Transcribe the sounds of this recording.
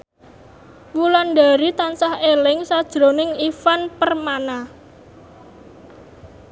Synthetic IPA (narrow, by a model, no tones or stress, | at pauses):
wulanɖa̤ɾit̪ansahelɪŋsad̥ʒ̥ɾonɪŋifanpərmana